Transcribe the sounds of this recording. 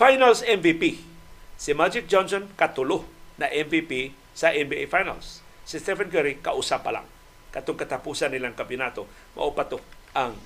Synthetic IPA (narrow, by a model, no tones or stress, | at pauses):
fajnalsɛnvipisimad͡ʒɪk̚d͡ʒɔnsonkat̪ulʊhnaʔɛnvipi | saʔɛnbiefajna̰lsːist̪ɛfankɛɾika̰ʔusapa̰la̰ŋ | kat̪ʊŋkat̪apusanːilaŋkampjʊnat̪o | mʔa̰ʔupat̪ʊaŋ